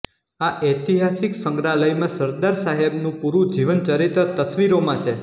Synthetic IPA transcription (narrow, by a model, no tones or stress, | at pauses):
aʔɛt̪iɦasiksəŋɡɾaləjmãsəɾd̪aɾsaɦebnũpuɾũd͡ʒiʋənt͡ʃəɾit̪ət̪əsʋiɾomãt͡ʃʰe